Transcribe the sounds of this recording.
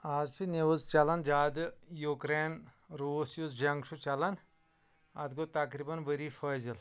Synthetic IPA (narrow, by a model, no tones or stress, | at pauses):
azt͡ʃʰineʋuzt͡ʃɐlɐnd͡ʒaːd̪jukɾen | ɾuːsjuzd͡ʒɐŋɡʃʰut͡ʃɐlɐn | ɐ̰d̪ɡot̪ɐkɾibɐnʋəɾifɐzil